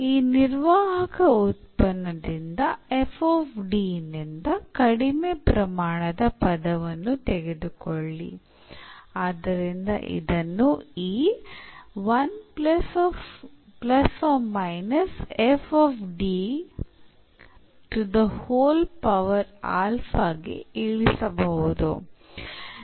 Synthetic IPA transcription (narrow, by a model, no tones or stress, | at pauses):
iːniɾʋaːɦɐkɐut̪pɐnːɐd̪ind̪ɐefoːfɖiːnːind̪ɐkɐɽimepɾɐmaːɳɐd̪ɐpɐd̪ɐʋɐnːut̪eɡed̪ukoɭːḭ | aːd̪ːɐɾind̪ɐ̰ʔḭd̪ɐnːuiː | ʋɐnplɐsɔfplɐsɔːmɐjnɐsefʰɔːfɖi | ʈud̪ɐhoːlpɐʋɐɾa̰ːlfʰaːɡḭiːɭisɐbɐɦud̪ṵ